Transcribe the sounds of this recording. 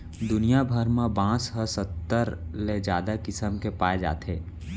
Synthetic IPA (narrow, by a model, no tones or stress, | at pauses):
d̪ʊnijabʱəɾmãbãːsɦəsət̪ːəɾled͡ʒaːd̪akɪsəmkepaːed͡ʒa̰ːt̪eː